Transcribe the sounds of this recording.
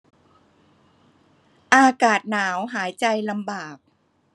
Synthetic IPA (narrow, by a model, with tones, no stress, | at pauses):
ʔaː˧kaː˨˩t̪̚naː˩˦wɦaː˩˦jt͡ɕa˧jla˧mbaː˨˩k̚